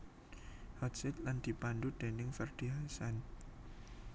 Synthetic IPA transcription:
hɔsɛt̪̚land̪̥i̤panɖud̪̥e̤nɪŋfərd̪̥iɦasan

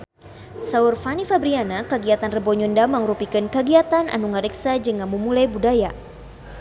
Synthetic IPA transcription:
saurfanifabɾianakəɡiat̪anrəbɔɲundamaŋrupikɨnkəɡiat̪anʔa̰nuŋaɾiksad͡ʒəŋaməmulajbudaja

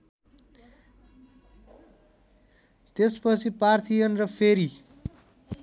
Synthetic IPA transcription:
t̪espʌt͡sʰipart̪ʰijʌnrʌpʰeɾi

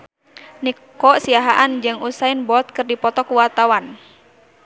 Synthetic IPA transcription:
nikɔsiaɦaʔand͡ʒɨŋusaɪnbɔt̪̚kɨrdipɔt̪ɔkuwart̪awan

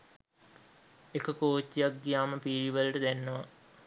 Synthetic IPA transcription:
ekəkoːt͡ʃːijak̚ɡijaːməpiːɾiʋəlɐʈəd̪ænːəʋa

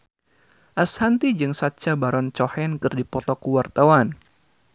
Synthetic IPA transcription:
ʔashant̪id͡ʒɨŋsat͡ʃabaɾɔnt͡ʃɔhɛnkɨrdipɔt̪ɔkuwart̪awan

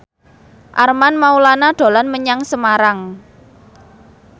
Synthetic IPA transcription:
ʔarmanmaulanaɖ̪̥o̤lanməɲaŋsəmaɾaŋ

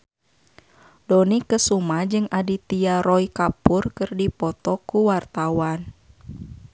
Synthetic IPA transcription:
dɔnikəsumad͡ʒɨŋadit̪iaɾɔikapurkɨrdipɔt̪ɔkuwart̪awan

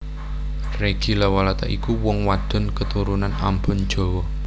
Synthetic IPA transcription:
reɡ̥ilawalat̪aʔikuwɔŋwad̪̥ɔ̤nkət̪uɾunana̰mbʊ̤n̥d͡ʒ̥o̤wɔ

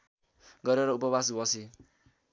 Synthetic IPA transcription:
ɡʌɾeɾʌupʌbasbʌsi

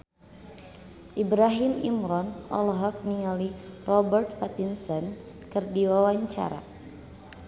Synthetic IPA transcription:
ʔibɾaɦimḭmɾɔnɔ̰lɔɦɔk̚niŋalirɔbərt̪̚pat̪insɔn | kɨrdiwawaɲt͡ʃa̰ɾa̰

